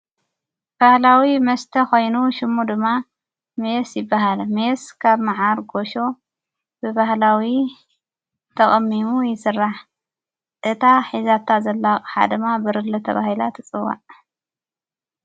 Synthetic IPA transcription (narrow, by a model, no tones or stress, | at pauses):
b̥ahlawimɐst̪ʰɐko̞jnuʃɪmːud̪ɨmːa | mesjɪbːaɦalmeskʰaβmaʕaɾɡoʃo̞ | bɨbahlawi | t̪ʰɐkʼɐmːimujɪsɨrːaħ | ʔɨt̪ʰaħizat̪ʰːazɐlːakʼħa̰d̪ɨmːabɨɾɨlːɨt̪ʰɐ̰βa̰hila̰t̪ʰɨt͡sʼɨwːa̰ʕ